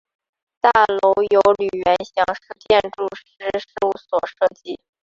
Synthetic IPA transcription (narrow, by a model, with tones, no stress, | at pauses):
t̪a˥˩lo˧˥ʊjo˧˥ʊly˨˩ɥɛ˧˥nɕjɑ˧˥ŋʂɻ̩˥˧t̪jɛ˥˧nʈ͡ʂu˥˩ʂɻ̩˧˥ʂɻ̩˥˧u˥˩swɔ˨˩ʂɤ˥˧t͡ɕi˥˩